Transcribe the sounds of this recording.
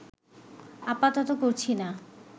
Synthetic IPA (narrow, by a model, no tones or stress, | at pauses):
apat̪ɔt̪okoɾt͡ɕʰina